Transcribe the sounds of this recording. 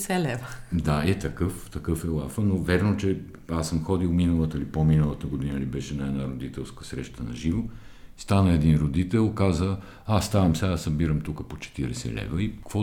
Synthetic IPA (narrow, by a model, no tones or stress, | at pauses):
sɛlɛvəd̪aɛt̪ɐkɤft̪ɐkɤfɛlˠafənovɛɾnot͡ʃɛ | asəmxɔd̪ilˠminəlˠət̪əlipominəlˠət̪əɡod̪inəlibɛʃɛnɐɛd̪naɾod̪it̪ɛlˠskəsɾɛʃt̪ənɐ̰ʒivost̪anəɛd̪inɾod̪it̪ɛlˠkazə | ast̪avɐmsɛasɐbiɾəmt̪ukəpot͡ʃɛ̥t̪iɾɛsɛ̰lɛ̰vəikkvɔ